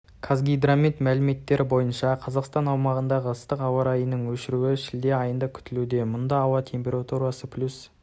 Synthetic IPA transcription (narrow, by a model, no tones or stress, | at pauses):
kʰazɡʲijd̪ɾamʲit̪mælɪme̞t̪ːe̞ɾʔɪbo̞jənʃɑqʰɑzɑqst̪ɑnɑwmɑʁənd̪ɑʁəəst̪əqɑwɑɾɑjənəɴwɵʃɪɾuɪʃɪld̪e̞ɑjənd̪ɑkʲʰʏ̥t̪ɪlud̪e̞mʊnd̪ɑːwɑt̪ʲʰe̞mpʲe̞ɾat̪uɾɑsəpʰlʲus